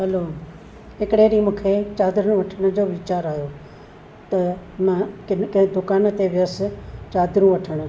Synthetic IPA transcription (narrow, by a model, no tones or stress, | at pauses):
ɦɐloː | ɦɪkɽeːɾiːmũːkʰeːt͡ɕaːd̪ɾnũʋɐʈʰəɽ̃ə̆d͡ʑoːʋɪt͡ɕaːɾaːjoː | t̪ɐmãkɪkd̪ʊkaːnt̪eʋɪjəst͡ɕaːd̪ɾũʋɐʈʰəɽ̃